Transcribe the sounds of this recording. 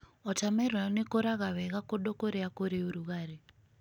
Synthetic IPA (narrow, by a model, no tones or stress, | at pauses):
ɔtamɛranekɔɾaɣaβɛɣakɔɗɔkoɾiakoɾiuɾuɣaɾi